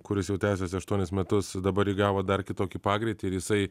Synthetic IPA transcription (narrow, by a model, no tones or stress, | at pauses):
kʊɾʲɪsjɛʊt̪ʲæːsʲoːsʲɐʃt̪uɔnʲɪsmʲɛt̪ʊsd̪ɐbɐɾjɪɡɑːʋoːd̪ɐrkʲɪt̪oːkʲiːpɑːɡɾʲɪt̪ʲiːɪɾjɪsɐɪ